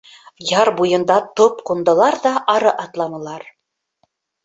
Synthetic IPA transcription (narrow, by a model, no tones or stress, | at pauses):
jɑɾbujɤ̆nd̪ɑt̪opqund̪ɤ̆lˠɑɾðɑʔɑɾɤʔɑt̪lˠɑmɤ̆lˠɑɾ